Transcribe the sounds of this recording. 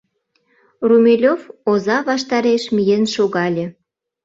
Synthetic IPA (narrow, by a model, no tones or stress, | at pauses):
rumʲelʲovozɑβɑʃt̪ɑɾeʃmijenʃoɣɑlʲĕ